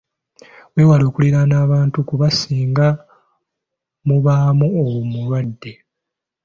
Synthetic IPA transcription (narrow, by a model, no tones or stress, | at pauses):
weːwalo̞ːkuliɾanaːβaːntukuβasiːŋɡa | muβaːmuowumuɾwadːe̞